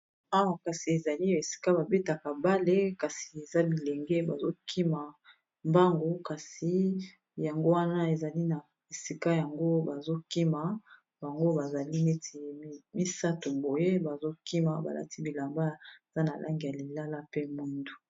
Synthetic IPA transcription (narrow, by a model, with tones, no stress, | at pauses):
a˦wa˨ka˨si˨e˨za˨li˦e˨si̥˨ka˦ba˨be˦ta˨ka˨ba˦le˦ka˨si̥˨e˨za˦bi˨le˨ŋɡe˦ba˨zo˦kʰi˦ma˨ | mba˦ŋɡo˨ka˨si˨ | ja˨ŋɡo˦wa˦na˦e˨za˨li˦na˨ | e˨si˨ka˦ja˨ŋɡo˦ba˨zo˦ki˦ma˨ | ba˨ŋɡo˦ba˨za˨li˦ne˦ti˨˦mi˦sa˦tu˨bo˨je˦ba˨zo˦ki˦ma˨ba̰˨la̰˨ti˦bi˨la˨mba˦e˨za˦na˨lʔa̰˦ŋɡi˨ja˨li˨la˦la˦pe˦mu˦ndu˨